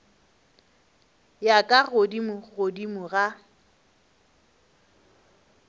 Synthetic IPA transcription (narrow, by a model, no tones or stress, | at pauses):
jakʼaɣodimʊɣodimʊɣa